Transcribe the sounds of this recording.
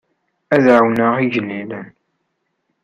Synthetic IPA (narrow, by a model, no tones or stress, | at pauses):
æðʕwnəʁiʝəlːilən